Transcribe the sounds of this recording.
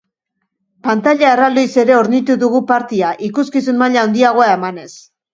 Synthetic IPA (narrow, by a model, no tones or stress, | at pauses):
pant̪aʎae̞rald̪ojse̞ɾe̞oɾnit̪uðuɣ̞upaɾt̪iaʔikuskisunmaʎaond̪iaɣ̞o̞ae̞mane̞s